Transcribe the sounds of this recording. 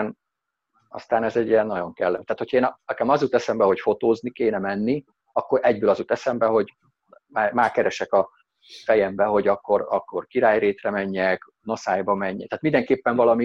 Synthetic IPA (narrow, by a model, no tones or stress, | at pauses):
n | ɒ̰st̪aːnɛzɛɟːijɛnːɒɟo̞ŋkɛlːɛmt̪aːt̪hocʰɒeːnɒkɛmɒzut̪ɛsɛmbɛho̞cfo̞t̪oːznikeːnɛmɛnːi | ɒkːo̞ɾʔɛɟbøːlɒzut̪ɛsɛmbɛɦo̞ɟ | maːmaːkɛɾɛʃɛkɒ | fɛjɛmbɛɦo̞ɟɒkːo̞ɾɒkːo̞rkiɾaːjreːt̪rɛmɛɲːɛk | no̞saːjbɒmɛɲːɛt̪aːt̪mind̪ɛŋkeːpːɛɱvɒlɒmi